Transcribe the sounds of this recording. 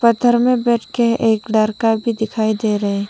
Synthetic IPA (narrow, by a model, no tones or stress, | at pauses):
pət̪ʰːəɾmẽbɛːʈʰkeeːkɖaːɾkabʱid̪ɪkʰaːid̪eːɾɐɦe